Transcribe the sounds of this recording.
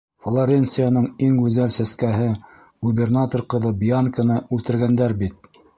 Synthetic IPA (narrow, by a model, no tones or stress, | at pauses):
flˠoɾʲensɨjanɤɴiŋɡʉzælsæskæɦɘ | ɡ̥ubʲernat̪orqɤ̆ðɤbijankɤ̆nɑʉlt̪ɘ̆ɾɡænd̪æɾbit̪̚